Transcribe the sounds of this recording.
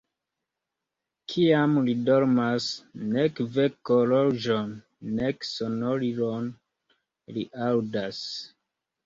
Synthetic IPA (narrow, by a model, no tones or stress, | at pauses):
kʰiamlidoɾmasnekvekolod͡ʒonː | eksonoɾiɾon | liʔawdas